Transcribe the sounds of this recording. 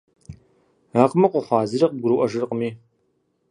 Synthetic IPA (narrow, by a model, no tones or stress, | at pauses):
aːqmɐqʷʊχʷɑːzɨrɐqɡʷʊɾɨwʔɐʒɨrqəmiː